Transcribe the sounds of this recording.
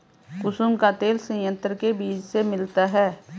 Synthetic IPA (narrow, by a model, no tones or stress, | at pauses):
kʊsʊmkat̪eːlsə̃jə̃nt̪ɾəkebiːd͡ʒsemɪlt̪aɦɛː